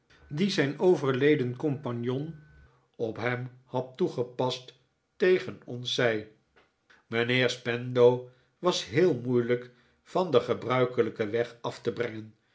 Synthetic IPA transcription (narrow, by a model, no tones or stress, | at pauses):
dizɛjnowvəɹlejdənkɔmpɑnjɔn | ɔpɦɛmhɑtːuχəpɑst | ejχənɔnsɛj | mənɪːɹspɛndow | ʋɑsɦɪːlˠmujlək | fɑndəχəbrœɥkələkəʋɛχɑftəbrɛŋən